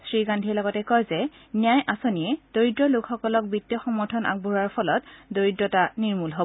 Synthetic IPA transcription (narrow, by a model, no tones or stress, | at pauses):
sɹiɡandʱiɛlɔɡɔtɛkɔjzɛ | nijajʔasoniɛd̥oɹidɹɔlʊkxɔkɔlɔk̚bitːjɔxɔmɔɹtʰɔnʔa̰k̚bʱuɹaɹpʰɔlɔtdoɹidɹɔtaniɹmulɦo